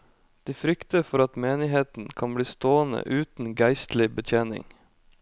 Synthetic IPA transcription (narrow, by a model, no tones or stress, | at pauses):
d̪̥iːfɾʏkt̪əfɔɾɑt̪meːnɪɦeːt̪n̩kʰɑnbɽiːst̪oːənə̰ʔʉːt̪n̩ɡæɪst̪lɪbət̪ʰjeːnɪ̰ŋ